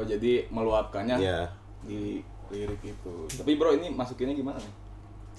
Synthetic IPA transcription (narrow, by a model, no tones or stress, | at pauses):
od͡ʒadiməluapkanɲaja | di | liɾɪk̚it̪ut̪apibəɾoinimasukɪɲaɡimananɪh